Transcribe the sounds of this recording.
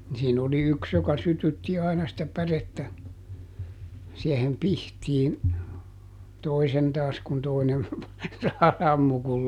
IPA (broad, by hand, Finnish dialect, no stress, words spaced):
ni siːn oli yks jokɑ sytytːi ɑinɑ sĭtæ pæretːæ siehem pihtiːn toisen tɑːs kun toinen sɑmːu kul